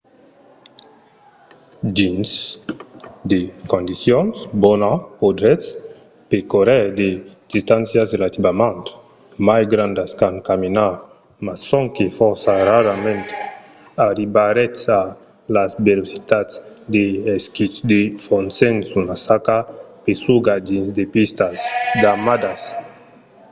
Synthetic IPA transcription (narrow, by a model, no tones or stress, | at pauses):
d͡ʒins | d̪ekond̪isjonsbɔnapod̪ɾɛs | pekoɾɛd̪ed̪̥ist̪ansjaselat̪ibamant̪ | majɡɾand̪askaŋkamina | massːoŋkefɔɾsaraɾamẽnt̪ | aɾibaɾet̪sa | lazbelosi̥t̪ats | d̪eeskisd̪efonsensunasakapesuɡad̪inzd̪epist̪asɡamad̪as